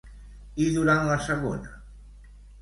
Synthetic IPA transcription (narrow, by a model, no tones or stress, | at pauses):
iðuɾaw̃aseɣo̰na